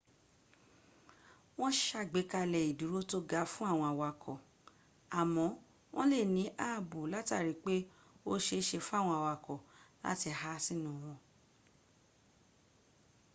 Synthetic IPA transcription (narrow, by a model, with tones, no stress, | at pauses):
w̃ɔ̃˦ʃa˦˨ɡ͡be˨˦ka˧lɛ˨i˨du˨˦ɾo˦to˦ɡa˧˦fũ˦a˦˨w̃ɔ̃˧a˨wa˨kʰɔ˨ | a˨mɔ̃˨˦ | w̃ɔ̃˦le˦˨nĩ˨˦ʔaː˦˨bu˨la˦ta˦˨ɾi˨˦k͡pe˦ | o˦ʃe˧ʃe˧fũ˦a˦˨w̃ɔ̃˧a˨wa˨kɔ˨la̰˦ti˧ha˦si˦˨nũ˨w̃ɔ̃˧